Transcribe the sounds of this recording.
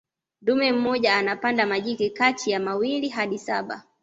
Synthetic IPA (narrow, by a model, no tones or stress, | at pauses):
ndumɛm̩mɔʄaːnapandamaʄikɛkatʰijamawiliɦaɗisaɓa̰